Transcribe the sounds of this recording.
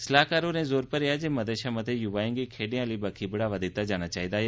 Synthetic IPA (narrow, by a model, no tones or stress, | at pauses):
səlaːkaːɾõnẽːzoːɾpəɾjad͡ʒeːməd̪eʃãmət̪ʰejʊʋaːjɪ̃ŋɡikʰeːɽijãliːbakʰibəɽaːʋad̪ɪt̪ad͡ʒaːɽ̃at͡ʃaːɦiːd̪aːɦe